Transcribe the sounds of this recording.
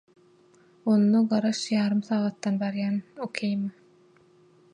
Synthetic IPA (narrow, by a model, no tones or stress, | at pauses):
onːoɢɑɾɑʃjɑːɾɯmθɑːɣɑt̪ːɑnbɑɾjæːnokʲʰejm